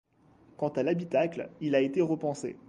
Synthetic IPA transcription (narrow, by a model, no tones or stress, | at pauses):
kɑ̃t̪alabit̪aklilaet̪eʁəpɑ̃sḛ